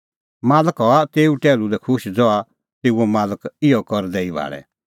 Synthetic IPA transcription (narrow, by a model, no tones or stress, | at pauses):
maːləkɦɔat̪eːuʈɛːlulɛkʰʊʃd͡zɔa | t̪eːuɔmaːləkɪɔkɔɾd̪ɛibʱa̰ːɭɛ̰